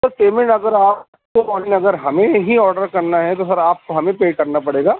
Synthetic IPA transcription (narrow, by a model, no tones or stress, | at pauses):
sɐɾpeːmɪ̃ɳʈɐɡəɾaːp̚ | komɔːnɪnɐɡəɾɦɐmẽɦiɔːɾɖəɾkɐɾnaɦɛt̪̬osɐɾaːp̚koɦɐmẽpeːkɐɾnapɐɽeːɡaː